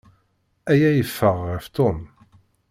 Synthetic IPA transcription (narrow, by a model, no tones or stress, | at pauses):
æjæjəfːəʁːəft̪om